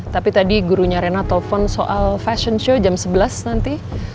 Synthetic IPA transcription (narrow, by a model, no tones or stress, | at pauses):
t̪apit̪adiɡuɾuɲaɾenat̪ɔfɔnsoʔalfaʃɔnʃod͡ʒamsəbəlasnant̪i